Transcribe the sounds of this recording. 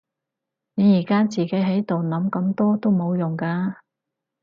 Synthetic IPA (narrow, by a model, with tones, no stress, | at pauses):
ne˨˧jiː˨˩kaː˥t͡siː˨˩ke˨˥jɦɐ˨˥jt̪o˨wnɐ˨˥mkɐ˨˥mt̪ɔː˥t̪o˥wmo˨˧wjʊ˨˩ŋkaː˧